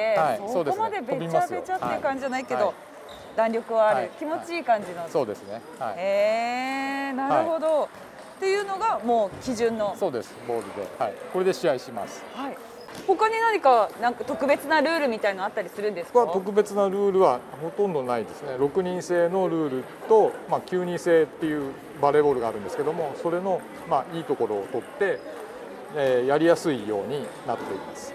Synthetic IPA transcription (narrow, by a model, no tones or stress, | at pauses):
ehaisossoːd̪eomad̪e̞bebʲit͡ɕmaaset͡ɕat̪ːekãɲ̟d͡ʑid͡ʑanaike̞d̪o̞ | d̪ãnɾʲjo̞kɯ̟βaːɾɯ̟kʲimo̞t͡ɕiːkãɲ̟d͡ʑinoso̞ːd̪e̞sɨne̞ | haieː | naɾɯho̞d̪o̞ | t̪e̞jɯ̟ːno̞ɡamo̞ːkʲiʑɨ̃nːo̞so̞ːd̪e̞sɨ̥bo̞ːɾɯ̟d̪ehaiko̞ɾe̞d̪eɕijaiɕima̰sɨ̥hai | ho̞kaɲ̟inaɲ̟ikanãŋkat̪o̞kɯ̟be̞t͡sɨnaɾɯːɾɯ̟mʲit̪ainoat̪ːaɾʲisɨɾɯ̟̃nd̪esokoat̪o̞k̬ɯ̟be̞t͡sɨnaɾɯ̟ːɾɯ̟βaho̞t̪õnd̪o̞naid̪e̞sɨne̞ɾo̞kɯ̟ɲ̟ĩɰ̃se̞ːno̞ɾɯ̟ːɾɯ̟ | t̪o̞makʲɨːɲ̟ĩɰ̃se̞ːt̪ːe̞jɯ̟ː | baɾe̞bo̞ɾɯ̟ɡaːɾɯ̟̃nd̪e̞sɨ̥ke̞d̪o̞mo̞so̞ɾe̞no̞ | maiːt̪o̞ko̞ɾo̞ːt̪o̞t̪ːe̞ | ejaɾʲijasɨijo̞̰ːɲ̟inat̪ːt̪e̞imasɨ̥